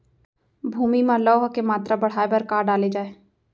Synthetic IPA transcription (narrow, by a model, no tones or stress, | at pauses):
bʱuːmimãlɔɦɐkemaːt̪ɾabɐɽ̤aːebɐɾkaːɾɖaːled͡ʒaːe